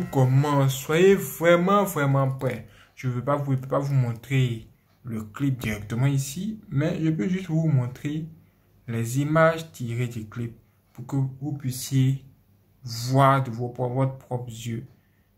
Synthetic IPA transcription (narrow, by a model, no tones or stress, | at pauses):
kɔmɑ̃swajevʁɛmɑ̃vʁɛmɑ̃pχɛ | ʒ̥əvøpavupøpavumɔ̃t̪χe | ləklip̚d̪iʁɛk̚t̪əmɑ̃isimɛʒəpøʒyst̪vumɔ̃t̪χe | lɛzimaʒt̪iʁed̪ɛklip̚ː | ukəvupɥisje | vwaʁd̪əvpɔvɔt̪pχɔpzjø